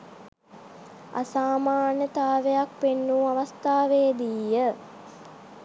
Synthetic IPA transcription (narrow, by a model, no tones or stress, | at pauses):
a̰saːmaːnət̪aːʋejak̚penːuːaʋast̪aːʋejd̪iːjə